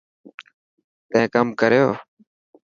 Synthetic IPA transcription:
t̪ẽːkəmkəɾeoː

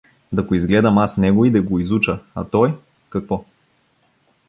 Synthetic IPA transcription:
d̪ɐɡoizɡlɛd̪ɐmasnɛɡoid̪ɐɡoizut͡ʃəa̰t̪ɔj | kɐkvɔ

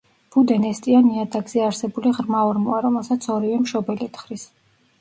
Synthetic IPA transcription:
b̥ud̪ɛnɛst̪ʼianiad̪aɡziaɾsɛbuliʁɾmaɔɾmuaɾɔmɛlˠsat̪sʰɔɾivɛmʃɔbɛlit̪ʰχɾis

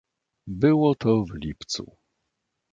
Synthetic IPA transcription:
bɘwɔt̪ʰɔvlʲipt̪sṵ

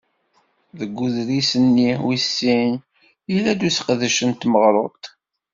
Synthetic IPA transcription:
ðəɡʷːuðɾisənːiwisːin | jilæd̪uθqðəʃənt̪məʁɾˤot̪

